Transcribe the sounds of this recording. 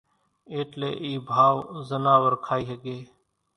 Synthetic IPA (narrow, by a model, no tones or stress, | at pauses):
eːʈlḛːʔiːbʱaːʋzənaːʋəɾkʰaːiːɦəɡeː